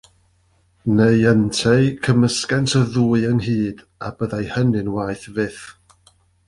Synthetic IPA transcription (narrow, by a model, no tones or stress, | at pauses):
neɨəntʰejkʰəməskɛntʰəðuːɨənhiːd̥ | a̰bəðajhənɨnwaːjθvɪθ